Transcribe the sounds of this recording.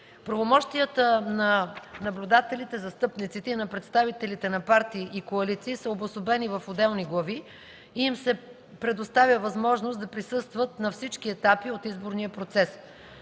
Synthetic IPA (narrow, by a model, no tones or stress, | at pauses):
pɾɐvomɔʃt̪iət̪ənɐnɐblʲud̪at̪ɛlit̪ɛzɐst̪ɤpnit̪sit̪ɛinɐpɾɛt̪st̪avit̪ɛlit̪ɛnɐpaɾt̪iːʔikoɐlit̪siːsəobosobɛnivɐfod̪ɛlˠniɡlˠɐvi | iːmsɛ | pɾɛd̪ost̪avʲjəvɐzmɔʒnosd̪ɐpɾisɤst̪vət̪̚nɐfsit͡ʃkiɛt̪apiot̪izboɾnijəpɾot̪sɛs